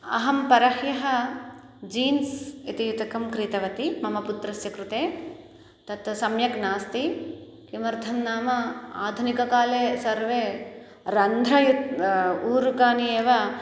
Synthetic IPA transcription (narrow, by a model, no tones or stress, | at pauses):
ɐ̰ɦɐmpɐɾɐhjɐɦɐ̆ | d͡ʒiːnsit̪ijut̪ɐkɐmkɾit̪ɐʋɐt̪imɐmɐput̪ɾɐsjɐkɾut̪eː | t̪ɐt̪sɐmjɐknaːst̪i | kimɐɾd̪ʱɐmnaːmɐa̰ːd̪ʱunikɐkaːleːsɐɾʋeː | ɾɐnd̪ʱɾɐjut̪uːɾukaːnieːʋɐ